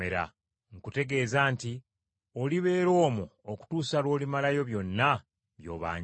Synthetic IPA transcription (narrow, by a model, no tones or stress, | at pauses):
eɾa̰ | ŋ̩kute̞ɡe̞ːzaːnti | oliβe̞ːɾo̞ːmuoku̥tuːsalwo̞ːlimalajo̞βjo̞nːa | βjo̞̰ːβa̰ːɲ